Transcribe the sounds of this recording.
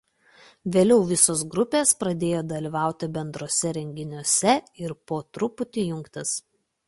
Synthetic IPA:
ʋʲeːlʲɛʊʋʲɪsoːs̬ɡɾʊpʲeːspɾɐd̪ʲeːjoːd̪ɐlʲiːʋɑˑʊt̪ʲɪbʲɛnd̪ɾoːsʲɛɾʲɛŋʲɡʲɪnʲuɔsʲɛɪɾpoːt̪ɾʊpʊt̪ʲijʊŋkt̪ʲɪs

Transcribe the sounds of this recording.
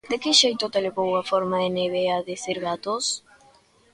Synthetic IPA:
d̪ekɪʃejt̪ot̪eleβowɐfɔɾmɐeneβeaðesiɾɣat̪os

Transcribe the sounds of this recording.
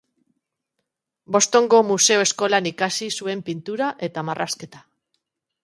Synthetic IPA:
bo̞st̪o̞ŋɡo̞muse̞oe̞sko̞lanikasisue̞mpint̪uɾaʔe̞t̪amarʔaske̞t̪ḁ

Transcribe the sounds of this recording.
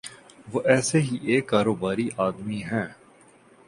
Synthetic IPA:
ʋoʔɛːseɦiʔeːkːaːɾoːbaːɾiʔaːd̪miɦɛ̃ː

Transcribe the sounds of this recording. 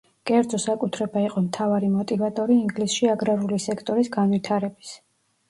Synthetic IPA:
kʼɛɾd̪zɔsakʼut̪ʰɾɛbaiqʼɔmt̪ʰavaɾimɔt̪ʼivat̪ʼɔɾiːŋɡlisʃiaɡɾaɾulisɛkʰt̪ʼɔɾisɡanwit̪ʰaɾɛbis

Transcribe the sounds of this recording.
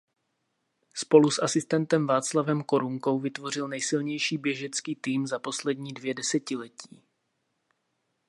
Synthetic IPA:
spo̞lusʔasɪst̪ɛnt̪ɛmvaːt͡slavɛmko̞ɾuŋko̞wvɪt̪vo̞r̝ɪlnɛjsɪlɲɛjʃiːbjɛʒɛt͡skiːt̪iːmzapo̞slɛdɲiːdvjɛdɛsɛcɪlɛciː

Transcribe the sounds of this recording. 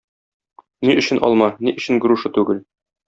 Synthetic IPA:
niʔɵ̆ɕɘ̆nʔɒ̰lˠmɑniʔɵ̆ɕɘ̆nɡɾuʃɤt̪ʉɡɘl

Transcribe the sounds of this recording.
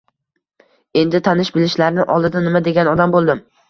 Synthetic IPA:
e̞nd̪ɪt̪ʰanɪʃbɪlɪʃlaɾnɪʔɒlˠd̪ɪd̪anɪmad̪e̞ɡʲanɒd̪ambolˠd̪ɪm

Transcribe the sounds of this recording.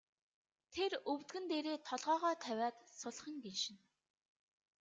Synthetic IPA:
t̪ʰerɵwt̪ɡɘ̆nt̪eːɾeːt̪ʰɔɮʁɔːʁœːt̪ʰæwʲaːt̪sʊɮχə̆ŋɡeʃɪ̆n

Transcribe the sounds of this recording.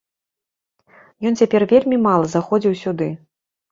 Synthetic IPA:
jɔnt͡sʲapʲɛrvʲelʲmʲimalˠɐzaxɔd͡zʲiwsʲud̪ɨ

